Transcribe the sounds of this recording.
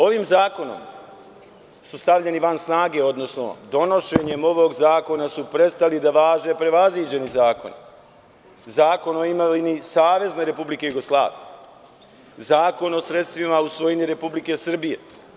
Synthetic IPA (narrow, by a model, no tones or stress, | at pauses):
o̞ʋiːmzaːko̞no̞̰m | sust̪aʋʎe̞niʋansnaːɡe̞o̞d̪no̞sno̞̰d̪o̞no̞ʃeɲe̞mo̞ʋoɡzaːko̞nasupɾe̞t̪st̪alid̪aʋaːʒe̞pɾe̞ʋazʋiːd͡ʑe̞nizaːko̞̰ni | zaːko̞noimainisaːʋe̞zne̞ɾe̞publike̞juɡo̞slˠa̰ːʋḭje | zaːko̞no̞sɾe̞t̪st̪ʋimausʋo̞jiɲiɾe̞publike̞sɨr̩bije